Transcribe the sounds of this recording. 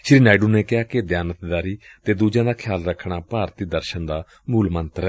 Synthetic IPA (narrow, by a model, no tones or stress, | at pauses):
ʃɾiːnaːiɖuːneːkɪɦaːked̪jaːnət̪d̪aːɾiːt̪eːd̪uːd͡ʒãːd̪aːkʰjaːlɾəkʰːɽaːpaːɾt̪iːd̪əɾʃənd̪aː | muːlmənt̪ɾɛ